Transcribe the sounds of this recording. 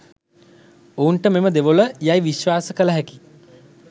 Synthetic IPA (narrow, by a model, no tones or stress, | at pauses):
ouɳʈəmeməd̪eʋoləjajʋiʃʋaːsəkələɦæki̥